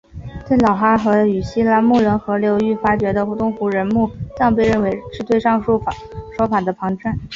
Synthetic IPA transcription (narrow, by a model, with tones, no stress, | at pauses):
t̪we˥˩ɪlɑ˨˩ʊxa˥xɤ˧˥y˨˩ɕi˥la˧˥mu˥˩ɻə˧˥nxɤ˧˥ljo˧˥ʊy˥˩fa˥t͡ɕɥɛ˧˥d̪ə˧u˥t̪ʊ˥ŋxu˧˥ɻə˧˥nmu˥˩t̪ɑ˥˧ŋp̬e˥˧ɪɻə˥˩nwe˧˥ɪʂɻ̩˥˧t̪we˥˧ɪʂɑ˥˧ŋʂ | ʂwɔ˥fa˨˩d̪ə˦pʰɑ˧˥ŋʈ͡ʂə˥˩n